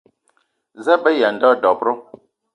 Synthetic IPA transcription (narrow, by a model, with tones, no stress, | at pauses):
za˦bə˦ja˨n˨dɔ˦˨dɔ˨pɾɔ˦